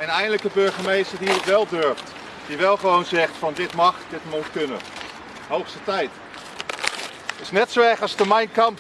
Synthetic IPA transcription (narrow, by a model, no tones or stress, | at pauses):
ɛnɛjndələkəbɵɹχəmejstəɹdiətʋɛlˠdøɹft | d̥iʋɛlˠχəʋownzɛχtfɑndɪtmɑχdɪtmutkɵnə̰ | ɦowχstətɛjt | ɪsnɛtsowɛɹχɑsdəmɛjnkɑm